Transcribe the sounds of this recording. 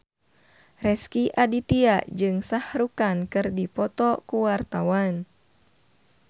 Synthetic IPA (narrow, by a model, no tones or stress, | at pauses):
rɛskiʔadit̪iad͡ʒɨŋsahɾukankɨrdipɔt̪ɔkuwart̪awan